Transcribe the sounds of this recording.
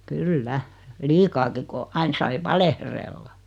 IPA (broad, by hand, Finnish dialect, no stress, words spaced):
kylːæ liːkɑːki ko ɑin sɑi ʋɑlehrelːɑ